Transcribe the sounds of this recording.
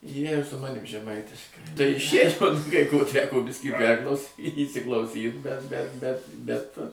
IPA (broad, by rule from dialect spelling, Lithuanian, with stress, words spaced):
ˈjiɛ ɪr sʊ ˈmɑːnʲɪm ʒʲɛˈmɐɪtʲɪʃkɐɪ tɐɪ ˈʃʲeːt͡ʃkoːs kɐɪ koː ˈtʲæːkoː ˈbʲɪsʲkʲiː ˈpʲɛrklˠɐʊsʲiː iːsʲɪklˠɐʊˈsʲiːt bʲɛt bʲɛ bʲɛt ˈbʲɛt